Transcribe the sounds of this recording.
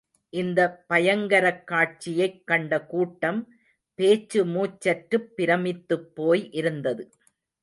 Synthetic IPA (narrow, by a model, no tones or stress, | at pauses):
ʔɪnd̪ɐpɐjɐŋɡɐɾɐkːaːʈ̚t͡ʃɪjɐɪkːɐɳɖɐkuːʈːɐm | peːt͡ʃːɯmuːt͡ʃːɐʈɾɯpːɪɾɐmɪt̪ːɯpːoːjʔɪɾɯnd̪ɐðɯ